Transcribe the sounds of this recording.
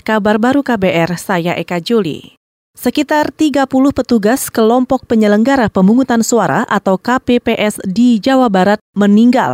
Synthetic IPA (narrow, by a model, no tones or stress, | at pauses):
kabarbaɾukabeʔɛrsajaʔekad͡ʒolḭ | səkit̪art̪iɡapulʊhpət̪uɡaskəlɔmpɔk̚pəɲələŋɡaɾapəmbuŋut̪ansuaɾa̰ʔat̪awkapepeʔɛsdid͡ʒawabaɾat̪̚məniŋɡa̰l